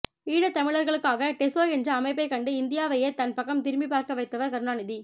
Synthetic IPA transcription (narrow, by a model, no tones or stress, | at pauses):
iːɽɐt̪ːɐmɪɭɐɾɣɐɭɯkːaːɣɐʈɛsoːjɛndrɐɐmɐɪp̬ːɐɪkɐɳɖɯɪnd̪ɪjaːʋɐjet̪ɐnpɐkːɐmt̪ɪɾmbipaːɾkɐʋɐɪt̪ːɐʋɐɾkɐɾnaːnɪði